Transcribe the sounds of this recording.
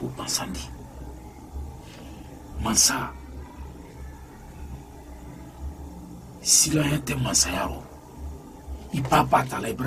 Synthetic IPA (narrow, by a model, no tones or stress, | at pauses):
opãsãndi | mãsa | silããtɛmãsajaɾɔ̰ | ipapatalaɛbɾ